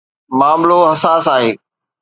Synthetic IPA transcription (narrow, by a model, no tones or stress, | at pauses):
maːmloɦɐsaːsaːɦeː